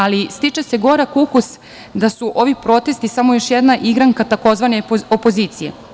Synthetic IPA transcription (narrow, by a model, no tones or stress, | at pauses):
alist̪it͡ʃese̞ɡo̞ɾakukus | d̪asuʔo̞ʋipɾo̞t̪e̞st̪isamo̞jo̞ʃjɛd̪naʔiɡɾaŋkat̪ako̞zʋaneopo̞ziːt̪sije̞̰